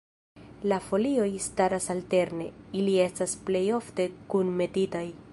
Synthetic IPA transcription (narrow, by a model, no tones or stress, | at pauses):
lafo̞lio̞jstaɾasalte̞ɾne̞ilie̞stasple̞jo̞fte̞kunme̞titaj